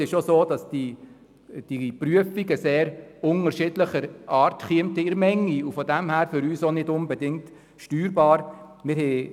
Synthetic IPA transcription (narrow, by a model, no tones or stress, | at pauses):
ɪʃosoːd̥ɑsd̥i | d̥ipryəfiɡəseːɾʊnəɾʃɪdləχəɾʔɑːɾtχiəmtəɪɾmɛŋːiufɔdæmhæːɾfʏɾyːsonɪdʊnbɛdɪŋt | ʃtyːɾbɑːɾmɪɾɦɛ